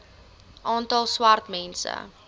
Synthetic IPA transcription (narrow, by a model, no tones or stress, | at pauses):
ʔɑːntɐlˠswartmɛnsə̰